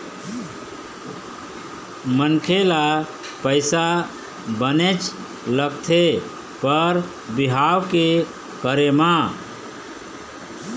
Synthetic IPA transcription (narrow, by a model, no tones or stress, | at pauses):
mənkʰela | pəɪsa | bənet͡ʃ | ləɡ̚t̪ʰe | pəɾ | biɦawke | kəɾema